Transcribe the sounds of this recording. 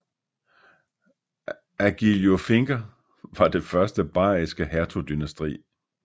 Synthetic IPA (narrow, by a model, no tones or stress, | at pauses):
æɡ̥iljofe̝ŋɡ̥ɐ | ʋɑ̈d̥e̝fɶɐsd̥əb̥ɑ̰̈ːisɡ̥əhæɐt͡sʰod̥ynæsd̥ʁḭː